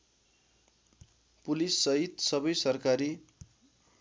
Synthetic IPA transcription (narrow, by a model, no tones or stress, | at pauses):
pulisːʌɦit̪sʌbʌjsʌrkaɾi